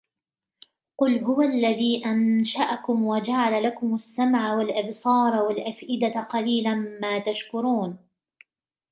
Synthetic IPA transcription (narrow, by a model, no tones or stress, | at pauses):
qʊlɦʊwalːaðiːʔanʃaʔakʊmwad͡ʒaʕalalakʊmasːamʕawalʔabsˤɑːɾˤwalʔafʔɪd̪aqɑliːlanmaːt̪aʃkʊɾuːn